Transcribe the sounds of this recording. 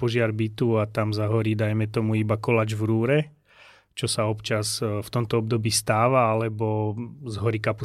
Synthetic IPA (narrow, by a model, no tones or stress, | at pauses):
pɔʒɪaɾbit̪uat̪amzaɦɔɾid̪ajmɛt̪ɔmuibakɔlad͡ʒvɾuːɾɛ | t͡ʃɔsaɔpt͡ʃazft̪ɔmt̪ɔɔb̚d̪ɔbiːst̪aːʋaalɛbɔzɦɔɾikapu